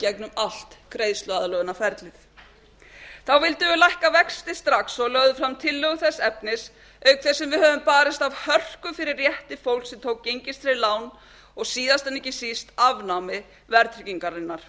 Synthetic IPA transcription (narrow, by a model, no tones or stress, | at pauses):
cɛknʏmal̥t̪kɾeːjðst̪lœaðlœɣʏnafɛɾt̪lɪθ | θawvɪlt̪ʏlajhkavɛkst̪ɪst̪ɾaxsɔɣlœɣðʏfɾamt̪ʰɪlːœɣʏθɛsːɛpnɪs | œɥkθɛsːɛmvɪðɦœːvʏmpaːɾɪst̪avhœr̥kʏfɪɾɪrːjɛht̪ɪfowlsɛmt̪ʰoːwkcːejɲcɪst̪fɪɾɪlaːwn | ɔɣsiːðast̪ɛnːihcɪsist̪avnamɪ | vɛɾt̪ʰɾɪciŋkaɾɪnːaɾ̥